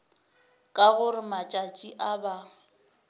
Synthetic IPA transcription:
kʼaɣʊɾɪmat͡ʃʼat͡ʃʼiʔaba

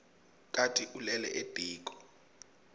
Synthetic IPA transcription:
kʼatʼiʔulɛlɛ̰ʔed̥ʱiːkʼɔ̥

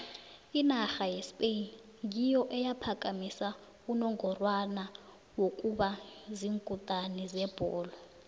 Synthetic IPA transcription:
inaxajɛspʼen | ŋijɔʔɛjapʰakʼamisa | unɔŋɔrwana | wokʼuɓaziŋkʼutʼanizɛb̥ʱɔ̰ːlɔ

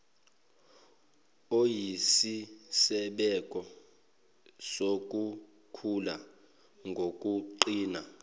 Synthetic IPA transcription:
ojisisɛɓɛkʼɔ | sok̬ʼu | kʰula | ŋɡʱokʼuǃiːna

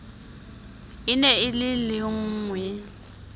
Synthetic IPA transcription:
ɪnɛɪlɪlɪŋ̩ːŋwɛ

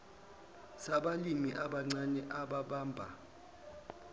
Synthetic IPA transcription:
saɓalimiʔaɓaŋ͡ǀanɛʔaɓaɓaːmbʱa

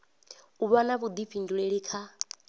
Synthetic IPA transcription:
uβanaβud̪iɸʰinduɺeɺikʰa

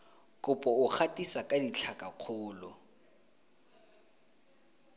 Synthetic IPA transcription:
kʼʊpʼɔʊχʰatʼisakʼadit͡ɬʰakʼaq͡χʰʊːlʊ

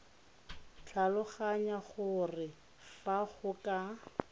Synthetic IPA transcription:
t͡ɬʰalʊχaɲaχʊrɪ | faχʊkʼa

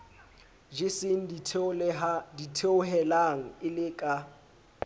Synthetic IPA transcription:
d͡ʒɪsɪŋ̩dʰ | ditʰeʊɦɛlaŋ̩ɪlɪkʼa

